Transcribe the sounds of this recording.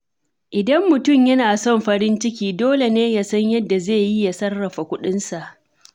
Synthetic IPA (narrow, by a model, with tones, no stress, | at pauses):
ʔɪ˨dɐ˦mːʊ˨tʊ˦˨mjɐ˦naː˨sɔ˦˨mɸɐ˦ɾɪ˦nt͡ʃɪ˦k̬ʲiː˦doː˦le˨neː˦ja˦sɐ˦ɲjɐ˦dːa˨zeː˦˨ji˦ja˨sɐ˦rːɐ˨ɸa˨kʷʊ˦ɗɪ˦nsa˨ʔ